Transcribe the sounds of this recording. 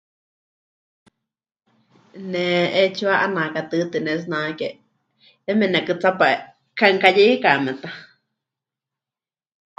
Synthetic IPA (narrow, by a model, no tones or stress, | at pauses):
nɛ̃ʔet͡ʃuaʔanãkat̪ɨt̪ɨnɛ̃s̬nãke | emɛ̃nãkɨt͡sapae | kʰaŋkajiikamɛ̃t̪a